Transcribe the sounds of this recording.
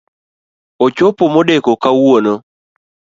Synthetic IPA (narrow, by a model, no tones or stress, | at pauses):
ot͡ʃopomodekokawono